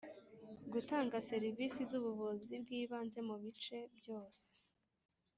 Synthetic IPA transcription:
ɡutaːŋɡase̞ɾivisizuβuβuzibɡiːβaːnze̞muβit͡ʃe̞bjo̞ːse̥

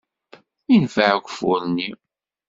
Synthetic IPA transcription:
infaʕkʷfʊɾni

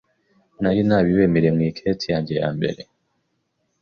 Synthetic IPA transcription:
najinaːβiβemeɾe̞mŋiːkʰetijaːɲɟe̞ja̰ːmbe̞̰ɾe̞

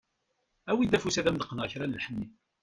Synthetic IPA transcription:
æwid̪æfusæðæmd̪əqːənəʁçɾænəlħənːi

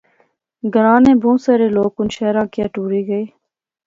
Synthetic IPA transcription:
ɡəɾãːnẽːbʱõːsəːɾeːloːkʊnʃɛːɾãːkɪjaːʈuːɾiːɡəeː

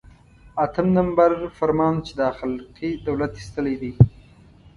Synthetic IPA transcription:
at̪ʰəmnambaɾfaɾmɑːnt͡ʃed̪ɑxalqid̪awlat̪i̥st̪əled̪i

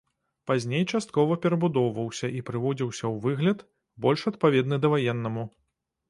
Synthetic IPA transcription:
pazʲnʲejt͡ʂast̪̚kɔvɐpʲɛɾɐbud̪ɔwvɐwsʲɐʔipɾɨvɔd͡zʲiwsʲɐwvɨɣlʲɐt̪ | bɔlʲʂɐt̪̚pavʲɛd̪nɨd̪ɐvajɛnːɐmu

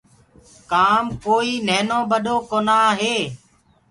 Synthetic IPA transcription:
kaːmkoːiːnɛːnõːbəɗoːkoːnaːɦeː

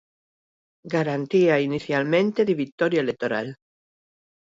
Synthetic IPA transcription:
ɡaɾant̪iainiθjalmẽnt̪eðeβit̪oɾjaelek̚t̪oɾal

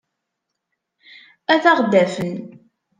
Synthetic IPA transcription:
æθɑʁd̪æfən

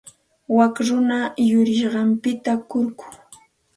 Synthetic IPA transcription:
wakɾʊnajʊɾɪʃɢɑmpɪt̪akʊɾkʊ̥

